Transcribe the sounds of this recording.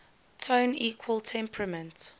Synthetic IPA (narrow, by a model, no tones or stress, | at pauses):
tʰõniːkʰwəlˠtʰɛ̃mpʰɹəmə̃nt